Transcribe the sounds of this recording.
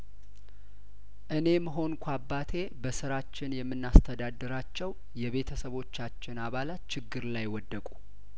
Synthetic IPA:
ʔɨne̞məɦo̞nkʷʰabːat̪ʰe̞bəsɨɾat͡ʃːɪnjɛmːɨnːast̪ʰəd̪ad̪ːɨɾat͡ʃːɛw | jɛβe̞t̪ʰəsəβo̞t͡ʃːat͡ʃːɪnaβalat̪t͡ʃʰɪɡːɨɾlajwɔd̪ːəkʼu

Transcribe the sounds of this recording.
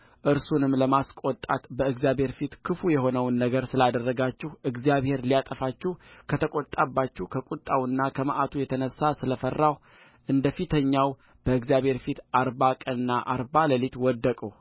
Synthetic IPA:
ʔɨɾsunɨmːləmaskʼot̪ʼat̪bəɨɡzijabhe̞ɾfit̪kʰɨfujɛɦo̞nəwnːəɡəɾsɨlad̪ərːəɡat͡ʃːɪhɨɡzjaβhe̞ɾlijat̪ʼəfat͡ʃːɪhkʰət̪ʰəkʼot̪ʼːabːat͡ʃːuhkʰəkʼut̪ʼːawɨnːakʰəmaʔat̪ʰujɛt̪ʰənəsːasɨləfərːaw | ʔɨnd̪əfit̪ʰəɲːaw | b̥əɨɡzijaβhe̞ɾfit̪aɾbakʼənɨnːaʔaɾbaləlit̪wɔd̪ːəkʼu

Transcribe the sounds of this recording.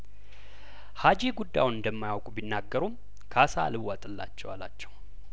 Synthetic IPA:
had͡ʒeɡud̪ːa̰jwunɨnd̪əmːajawkʼubinːaɡːəɾum | kʰasalɨwwːat̪ʼɨlːa̰t͡ʃːɛwa̰la̰t͡ʃːɛ̥w

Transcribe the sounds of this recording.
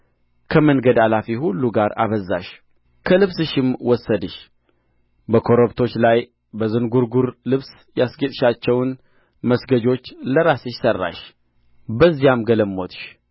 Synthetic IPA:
kʰəmənɡəd̪alafihulːuɡaɾa̰βəzːaʃ | kʰəlɨβsɨʃɪmwɔsːəd̪ɨʃ | bəkʰo̞ɾoβt̪ʰo̞t͡ʃːlaj | bəzɨnɡuɾɡuɾlɨβs | jasɡət̪ʼʃat͡ʃːɛwn | məsɡəd͡ʒo̞t͡ʃːləɾasɨʃsərːa̰ʃ | bəzːijamɡələmːo̞t̪ʃ

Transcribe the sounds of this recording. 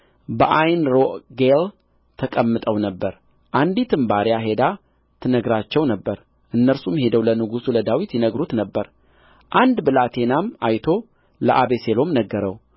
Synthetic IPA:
bəʔajnɾoʔɡel | t̪ʰəkʼəmːɨt̪ʼəwnəbːəɾ | ʔand̪it̪ʰɨmbaɾijaɦe̞d̪a | t̪ʰɨnəɡɾat͡ʃːɛwnəbːəɾ | ʔɨnːəɾsumhe̞d̪əwlənɨɡusuləd̪awit̪jɛnəɡɾut̪nəbːəɾ | ʔand̪bɨlat̪ʰe̞nama̰jt̪ʰo̞ | ləʔaβe̞se̞lo̞mnəɡːəɾəw

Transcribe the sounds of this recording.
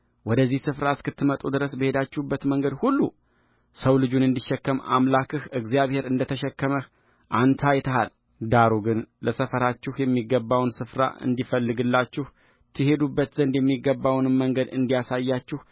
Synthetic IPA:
wɔd̪əzːihsɨfɾaɨskɨt̪ːɨmət̪ʼud̪ɨɾəsbəhe̞d̪at͡ʃːɪhubːət̪məŋɡəd̪hulːu | səwlɨd͡ʒunɨnd̪iʃːɛkːəma̰mlakʰɨhɨɡzijaβhe̞ɾɨnd̪ət̪ʰəʃɛkːəməh | ʔant̪ʰajt̪ʰəhal | d̪aɾuɡɨnləsəfəɾat͡ʃːɪhjɛmːiɡːəbːawnsɨfɾa̰ʔɨ̰nd̪ifəlːɨɡɨlːat͡ʃːɪh | t̪ʰɨhe̞d̪ubːət̪zənd̪jɛmːiɡəbːawnɨmːəŋɡəd̪ɨnd̪ijasajːat͡ʃːɪh

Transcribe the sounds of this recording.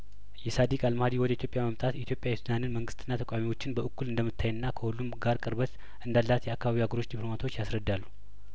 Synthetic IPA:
jɛsad̪ikʼalmhad̪iwɔd̪əit̪jopʼjaməmt̪ʼat̪ɛit̪ʰjo̞pʼjawisɨd̪anɨnməŋɡɨst̪ʰɨnːat̪ʰəkʼamiwo̞t͡ʃːɪnbəʔɨkːulɨnd̪əmːɨt̪ʰːajɨnːakʰəhulːumɡaɾkʼɨɾbət̪ | ʔɨnd̪alːat̪jɛakːaβaβihaɡəɾo̞t͡ʃːd̪iplo̞mat̪ʰo̞t͡ʃːjasɾəd̪ːalːu

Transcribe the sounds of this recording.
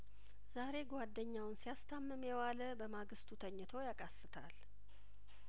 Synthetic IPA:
zaɾe̞ɡʷad̪ːəɲːawʊnsijast̪ʰamːɨmjɛwaləbəmaɡɨst̪ʰut̪ʰəɲːɨt̪ʰo̞jakʼasːɨt̪ʰa̰l

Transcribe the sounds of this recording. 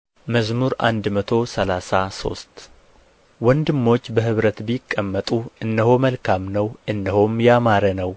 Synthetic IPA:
məzmuɾʔa̰nd̪mət̪ʰo̞səlasaso̞̰st̪ | wɔnd̪ɨmːo̞t͡ʃːbəhɨβɾət̪bjɪkʼːəmːət̪ʼuɨndəho̞məlkʰamnəwʔɨndəhomjamaɾənəw

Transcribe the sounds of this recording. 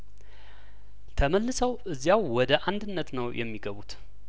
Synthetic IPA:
t̪ʰəməlːɨsəwʔɨzːjawːɔd̪əʔand̪ɨnːət̪nəwjʔɛ̰mːiɡəβut̪

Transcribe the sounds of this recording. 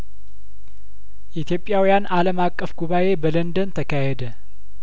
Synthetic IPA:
ʔit̪ʰjo̞pʼːjawijanaləmakʼːəfɡuβaʔe̞bələnd̪ənt̪ʰəkʰaɦɛd̪ə

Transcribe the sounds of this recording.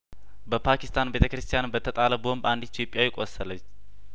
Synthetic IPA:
bəpʰakʰist̪ʰanbe̞t̪ʰəkɾɨst̪ʰijanbət̪ʰːət̪ʼaləbo̞mband̪it̪ʰjopʼjawjɪkʼosːələt͡ʃː

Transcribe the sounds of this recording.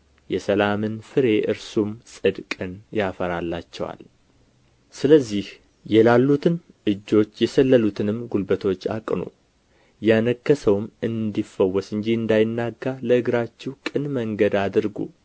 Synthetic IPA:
jɛsəlamɨnfɨɾe̞ʔɨɾsumsʼɨd̪kʼɨnjafəɾalːa̰t͡ʃːɛwa̰l | sɨləzːih | jɛlalːut̪ʰɨn | ɨd͡ʒːo̞t͡ʃːjɛsəlːəlut̪ʰɨnɨmɡulbət̪ʰo̞t͡ʃːa̰kʼnṵ | janəkːəsəwmɨnd̪ifːəwːɔsɨnd͡ʒiɨnd̪ajɪnːaɡːaləɨɡɾat͡ʃːɛwkʼɨnməŋɡəd̪ad̪ɨɾɡṵ

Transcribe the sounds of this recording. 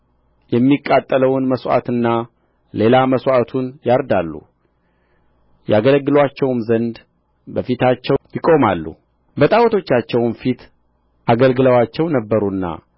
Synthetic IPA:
jɛmːikʼːat̪ʼːələwnməswʔa̰t̪ɨnːa | le̞laməswat̪ʰunjaɾd̪alːṵ | jaɡələɡːɨlwat͡ʃːɛwmzənd̪ | bəfit̪ʰat͡ʃːɛjɪkʼo̞malːṵ | bət̪ʼawt̪ʰo̞t͡ʃːat͡ʃːɛwnfit̪ | ʔaɡəlɡɨləwat͡ʃːɛwnəbːəɾunːa̰

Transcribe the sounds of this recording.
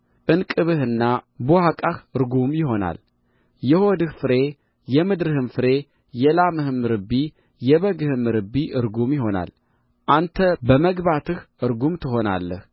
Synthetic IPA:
ʔɨnkʼɨβɨhɨnːabohakʼahɨɾɡumjɪɦo̞na̰l | jɛhod̪ɨhfɨɾe̞ | jɛmɨd̪ɾɨhɨmfɨɾe̞ | jɛlamɨhɨmɨɾɨbːi | jɛβəɡɨhɨmɨɾɨbiʔɨɾɡumjɪɦo̞na̰l | ʔant̪ʰəbəməɡbat̪ʰɨhʔɨɾɡumt̪ʰɨɦo̞na̰lːəh

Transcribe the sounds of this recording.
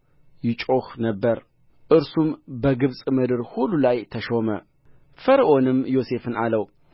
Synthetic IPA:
jɪt͡ʃʼoxnəbːəɾ | ʔɨɾsumbəɡɨβsʼmɨd̪ɨɾhulːulajt̪ʰəʃo̞mə̰ | fəɾʔo̞nɨmjo̞se̞fɨnaləw

